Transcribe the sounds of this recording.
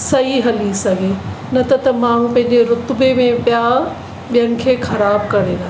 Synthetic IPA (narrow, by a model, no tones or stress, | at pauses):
sɐɦiɦɐlisɐɡʱe | nɐt̪ɐt̪ɐmãːɽ̤ũpɐ̃ɦɪ̃ɲd͡ʑeɾʊt̪bemẽpjaː | ɓijənɪ̆kʰeːxɐɾaːb̚kɐɾed̪aː